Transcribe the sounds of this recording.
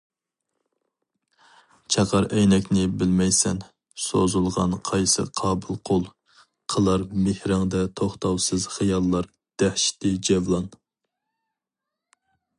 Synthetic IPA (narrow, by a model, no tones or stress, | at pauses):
t͡ʃʰɑqʰɑɾʔɛjnɛkʲnɪbɪlmɛjsɛn | sozulˠʁɑnqʰɑjsɨ̰qʰɑːbɨlˠqʰolˠ | qʰəlˠɑɾmɪhɾɑŋd̪ɛt̪ʰoχt̪ɑwsɨzχɨjɑlˠːɑɾ | d̪̥ɛhʃi̥t̪ʰɪd͡ʒɛvlˠɑn